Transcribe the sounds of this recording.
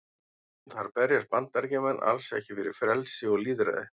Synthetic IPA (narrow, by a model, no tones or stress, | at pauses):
θaɾ̥pɛɾjaɾ̥pant̪ːaɾcɪmɛnːʔa̰lsɛ̰hcɪfɪɾɪɾ̥fɾɛlsɪɔɣliːðɾɛ̰ːðɪ̰